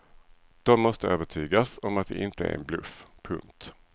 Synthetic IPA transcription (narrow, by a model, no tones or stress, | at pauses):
d̪̥ɔmːɔst̪əøːvəʈʰyːɡasɔmat̪̚d̪ɛ̰ʔɪnt̪əæ̰ɾɛ̰nblɵ̰fpʰɵŋk̚t̪